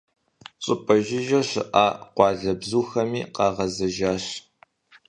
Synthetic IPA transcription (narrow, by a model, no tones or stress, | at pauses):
ɕʼɪpʼɐʒɪʒɐɕɪ̰ʔa̰ːqʷɑːɮɐbzuːxɐmiːqɑːʁɐzɐʒaːɕ